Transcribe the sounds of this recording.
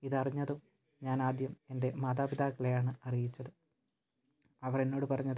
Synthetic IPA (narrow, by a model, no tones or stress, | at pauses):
iðɐriɲːɐðu | ɲaːnaːd̪jɐme̞nde̞maːd̪aːbid̪aːkːɐɭlɐejaːɳɨɐrijit͡ɕːɐðɨ | ɐʋɐrenːo̞ːɽɨpɐrɐɲːɐðɨ